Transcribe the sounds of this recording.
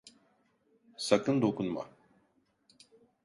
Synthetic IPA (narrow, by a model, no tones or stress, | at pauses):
sakɯnd̪okunma̰